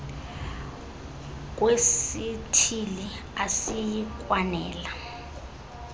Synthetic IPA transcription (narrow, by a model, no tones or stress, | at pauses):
k̬ʼwesitʰili | asijkʼwanɛːla